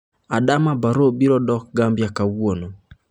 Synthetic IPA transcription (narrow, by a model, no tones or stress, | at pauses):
adamabaɾobiɾɔdɔk̚ɡambjakawono